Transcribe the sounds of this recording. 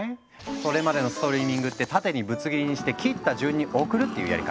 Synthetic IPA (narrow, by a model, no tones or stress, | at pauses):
so̞ɾe̞mad̪e̞no̞sɨ̥t̪o̞ɾʲiːmʲĩŋɡɯ̟t̪ːe̞t̪at̪e̞ɲ̟ibɯ̟t͡sɨɡʲiɾʲiɲ̟iɕi̥t̪e̞kʲiːt̪ːaʑɨːɲ̟ːiʔo̞kɯ̟ɾɯ̟t̪ːe̞jɯ̟̰ja̰ɾʲḭka